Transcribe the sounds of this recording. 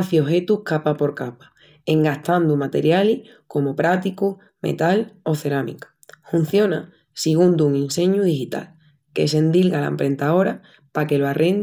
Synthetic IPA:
θio̞ɦe̞t̪uhkapapo̞ɾkapḁ | e̞ŋɡaht̪and̪umat̪e̞̰ɾjali | ko̞mopɾat̪iku | me̞̰t̪alo̞θe̞ɾamḭkḁ | fun̟θjo̞na | siɣ̞und̪uŋĩnsẽ̞ɲuðixit̪a̰l | ke̞̰s̬e̞nd̪ilɣala̰empɾe̞nt̪ao̞ɾa | pake̞loarʔe̞n

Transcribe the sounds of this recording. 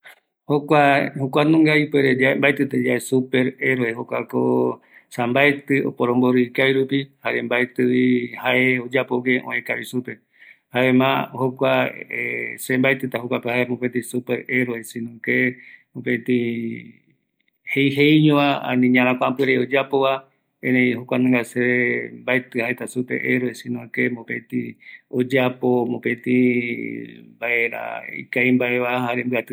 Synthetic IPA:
hokʷahokʷanũŋɡaipweɾed͡ʒaembaet̪ɨt̪ed͡ʒaʔesupeɾeɾoehokʷako | sambaet̪ɨo̰poɾ̃õmboɾɨkaiɾupihaɾembaet̪ɨwihaʔeod͡ʒapoɡeʔõ̰ẽkaβisupe | haemãhokʷaesembaet̪ɨt̪ahokʷapehaemõpent̪̬isupeɾeɾoesĩnũkemõpẽt̪ĩ | hejɦejɲõaã̰nĩɲãɾ̃ãkʷãampɨɾeod͡ʒapoβa | ẽnẽj̃hokʷanãŋɡaseembaet̪ɨhaet̪asupḛʔeɾoesĩnõkemõpẽt̪ĩod͡ʒapomõpẽt̪ĩ | mbaʔeɾa̰ḭkaimbae̞ʋahaɾembɨat̪ɨ

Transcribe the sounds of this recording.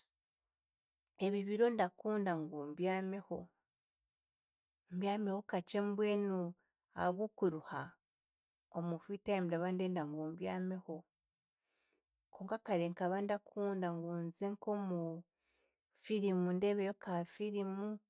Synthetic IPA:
e̞βiβiɾo̞ndakuːndaŋɡombjaːmeho | mbjaːmehokat͡ʃembweːnu | a̰βukuɾuha | omufitajmdaβande̞ːndaŋɡoːmbjaːmeho | kʰoːŋkakaɾeŋkaβandakʰuːndaŋɡuːnzeŋkomu | fiɾimundeβejokafiɾimu

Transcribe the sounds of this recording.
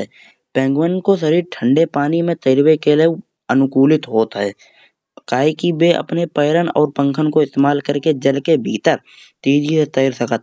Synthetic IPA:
ɛː | pɛ̃ːŋɡwənkosəɾiːɾʈʰə̃ɳɖepaːnimẽt̪əjɾwekele | ənʊkuːlɪt̪ɦoːt̪aɦɛː | kaːikibeʔə̰pnepəjɾənɔ̰ːɾpə̃ŋkʰənkoɪst̪eːmaːlkəɾked͡ʒəlkebʱiːt̪əɾ | t̪iːd͡ʒiset̪əjɾsəkət̪

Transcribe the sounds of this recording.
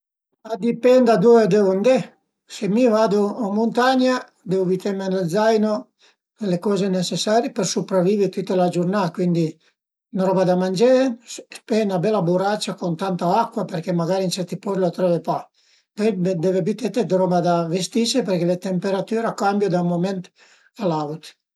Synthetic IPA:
ad̪ipɛnd̪ad̪ued̪eːvond̪e | semivaːd̪oːmunt̪aɲa | d̪eːvovit̪emened̪zajno | lekɔːzenet͡ʃesːaːɾjipersupɾavːiːveɾt̪ut̪ːelad͡ʒurnaːkwind̪i | nɾɔbad̪amand͡ʒepenabɛlːabuɾat͡ʃːakont̪ant̪aakːwaperkemaɡaɾint͡ʃɛrt̪ipɔslat̪ɾɔvepa | pɔd̪ɛvebit̪et̪ed̪ɾɔbad̪avest̪iseperkelet̪empeɾat̪yːɾakambjod̪amomɛnt̪ | alawt̪

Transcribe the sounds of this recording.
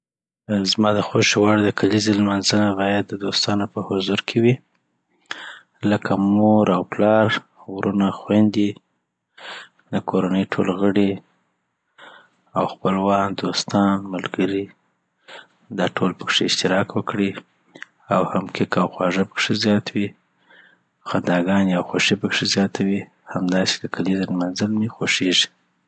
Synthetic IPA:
zmɑd̪əxoʃewɑɽd̪əkʰalizelmanzənabɑjad̪ːəd̪ost̪ɑnapəhʊzuɾkʰewi | ləkʰamoɾawplɑɾ | ɣɾunaxwand̪i | d̪əkʰoɾanəjʈʰolɣəɽi | awxpəlwɑnd̪ost̪ɑnmalɡəɾi | d̪ɑʈʰolpəkʂeɪʃt̪ɪɾɑkwəkɽi | awhamkʰɪkawxwɑʐapəkʂezjɑt̪wi | xand̪ɑɡɑnawxoʃipəkʂezjɑt̪ʰawi | hamd̪ɑse̥kakʰalizalmanzəlmixoʃeʐi̥

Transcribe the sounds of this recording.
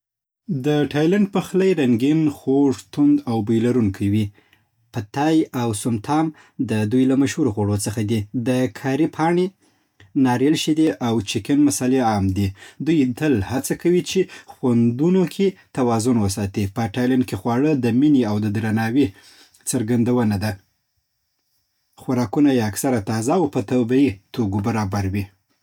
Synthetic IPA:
d̪əʈʰɑjlaɳɖ̚pəxləjɾaŋɡinxoʐt̪und̪awbajlaɾunkʰawi | pət̪ɑjawsʊmt̪ʰɑm | d̪əd̪ujlamaʃhuɾoxoɽot͡səxad̪id̪əkʰaɾipʰɑɳe | nɑɾelʃid̪eʔawt͡ʃɪkanmasɑleɑmd̪id̪ujt̪əlhat͡sakawit͡ʃexwand̪unokʰet̪awɑzʊnwəs̬ɑt̪ipəʈalankexwɑɽəd̪əmineawd̪əd̪ɾanɑwe | t͡səɾɡand̪awənad̪a | xʊɾɑkunajeaksaɾat̪ɑzaːwpət̪abait̪oɡobaɾɑbaɾwi

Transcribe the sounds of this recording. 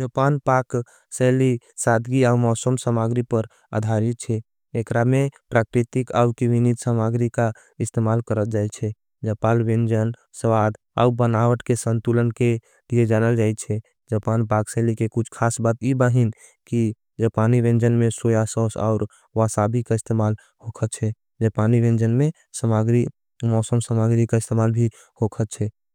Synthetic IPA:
d͡ʒəpanpak | sɛli | sad̪ʱɡiaumɔsəmsəmaɡɾipəɾ | ə̰d̪ʱaɾit̪̚t͡ʃʰɛː | kɾamepɾakɾit̪ika̰ukiʋinit̪səmaɡɾika | ist̪emalkəɾəld͡ʒajt͡ʃʰɛ | d͡ʒəpalʋẽnd͡ʒən | səwad̪ | a̰ubənawəʈkesənt̪ulənke | lied͡ʒanəld͡ʒajt͡ʃʰɛ | d͡ʒəpanbaɡselikekut͡ʃʰkʰasbat̪ibəɦin | ki | d͡ʒəpaniʋẽnd͡ʒənmesojasɔsa̰ʊɾ | ʋasabikaist̪emal | hokʰət̪̚t͡ʃʰɛ | d͡ʒepaniʋẽnd͡ʒənme | səmaɡɾi | mɔsəmsəmaɡɾikaist̪emalbʱi | hokʰət̪̚t͡ʃʰɛ

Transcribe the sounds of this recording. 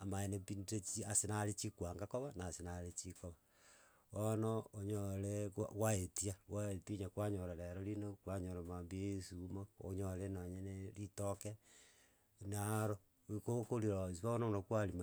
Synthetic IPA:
amaenepinɾet͡ʃiasenaɾet͡ʃikwaŋɡakoβanasenaɾet͡ʃikoβa | onooɲoɾekɣwaetiaɣwaetiiɲakwaɲoɾaɾeɾoɾinokwaɲoɾamambieisumoo̰ɲolenaɲenelitoke | naɾo | kokoɾiɾosiβaononokwaɾima

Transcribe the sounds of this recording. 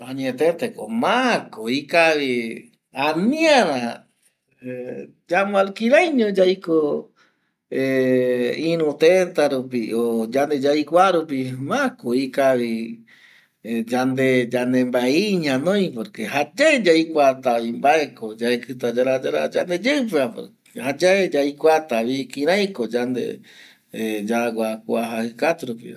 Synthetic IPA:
ãɲẽt̪et̪eko̰mãkoikaβi | anĩaɾa | d͡ʒamõalkiɾajɲõd͡ʒajko | e | ĩɾũt̪et̪aɾupiod͡ʒand̪ed͡ʒajkʷaɾupimakoikaβi | d͡ʒand̪ed͡ʒand̪embaeiɲãnõj̃poɾkehad͡ʒaed͡ʒajkʷat̪aβimbaekod͡ʒaekɨt̪ad͡ʒaɾad͡ʒaɾa̰d͡ʒand̪ed͡ʒeɨp̬eapo̰ɾ | had͡ʒaed͡ʒaikʷat̪aβikĩɾãjkod͡ʒand̪ḛ | d͡ʒaɡʷakʷaɦahɨkat̪uɾup̬ḭ

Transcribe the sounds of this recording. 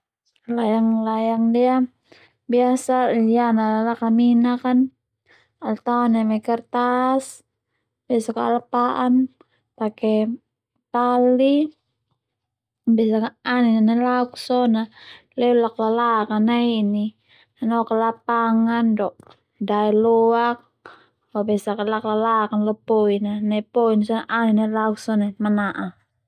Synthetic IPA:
lajaŋlajaŋdia | biasajanalalakaminakan | alt̪aɔnamɛkɛrt̪as | basakaalapaʔan | pakɛ | pali | bɛs̬akaaninanalauksɔna | lɛulaklalakanaiːni | anɔkalapaŋandɔʔ | daɛlɔak̚ | fabɛsakalaklalakanlɔpɔinanaipɔinsɔnaʔaninalauk̚sɔnamanaʔa

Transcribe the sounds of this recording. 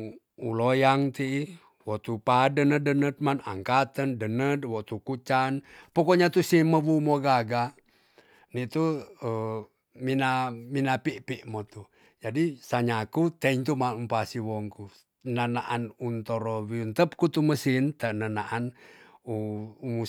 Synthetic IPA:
ulojaŋt̪iː | wɔt̪upadənədənət̪̚mana̰ŋkat̪əndənət̪wɔt̪ukut͡ʃanpokɔɲat̪usiməwumoɡaɡa | nit̪uə | minaminapiʔpiʔmot̪u | d͡ʒadisaɲakut̪ɛiɲt̪umaumpasiwɔŋku | nənaʔanunt̪oɾɔwiunt̪əp̚kut̪uməsint̪ənənaʔanuumu

